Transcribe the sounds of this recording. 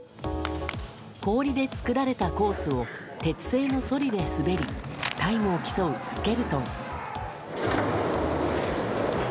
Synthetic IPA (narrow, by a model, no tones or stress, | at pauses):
ko̞ːɾʲid̪e̞t͡sɨ̥kɯɾaɾe̞t̪ako̞ːsɨo̞ | t̪e̞t͡sɨ̥se̞ːno̞so̞ɾʲid̪e̞sɨbe̞ɾʲit̪aimɯ̟okʲi̥so̞ɯ̟sɨ̥ke̞ɾɯ̟t̪õŋ